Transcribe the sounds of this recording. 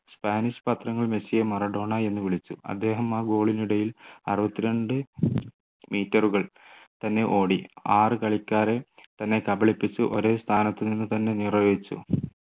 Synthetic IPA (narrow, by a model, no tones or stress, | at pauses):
spaːniɕpɐt̪rɐŋːɐɭmesijɐmɐrɐɖo̞ːɳɐe̞nːuʋiɭit͡ɕːuɐ̰d̪ːe̞ːɦɐmaːɡo̞ːɭiniɽɐjilɐ̰rɨʋɐt̪ːiɾeɳɖɨ | miːtːɐruɣɐɭt̪ɐnːe̞ʔo̞ːɽiaːrɨkɐɭikʲːaːɾet̪ɐnːe̞kɐbɐɭipːit͡ɕːuʔo̞ɾeːst̪ʰaːnɐt̪ːɨninːut̪ɐnːe̞niːrɐoːʋit͡ɕːṵ